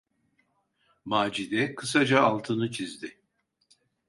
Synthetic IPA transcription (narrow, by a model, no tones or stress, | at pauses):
maːd͡ʒid̪ɛkʰɯsad͡ʒaːlˠt̪ʰɯnɯt͡ʃʰizd̪ɪ